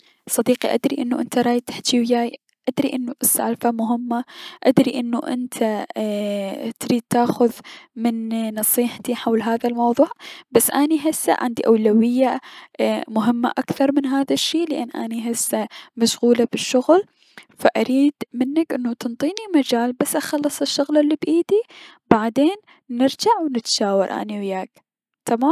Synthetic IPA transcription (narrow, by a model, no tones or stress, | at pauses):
sˤːɑd̪iːqiʔa̰d̪ɾiʔɪnːuʔɪnt̪aɾˤɑːjt̪ḁħt̪iwjaːj | ʔad̪ɾiʔɪnːuʔɪsːa̰ːlfamʊɦɪmːaʔad̪ɾiʔɪnːuʔɪ̰nt̪ʰa | t̪ɾiːd̪̚t̪aːxʊðmɪnːɑsˤiːħt̪iħawlɦaːðalmɑwðˤuːʕbasːʔaniɦɪsːa̰ʕa̰nd̪iʔawlawɪjːa | mʊɦɪmːa̰ʔakθɑɾˤmɪnɦaːðaʃːiːlɪʔa̰nːʔa̰niɦɪsːamaʃɣuːlabɪʃːʊɣl | faʔaɾiːd̪mɪnːakʔɪnːut̪ɨnt̪ˤiːnimad͡ʒaːlbasːʔaxɑlːɨsˤɪʃːʊɣlɪlːibʔiːd̪i | baʕd̪eːnː | ɪɾd͡ʒaʕwnɪt̪ʃaːwɑɾˤʔa̰niwɪjaːk | t̪amaːm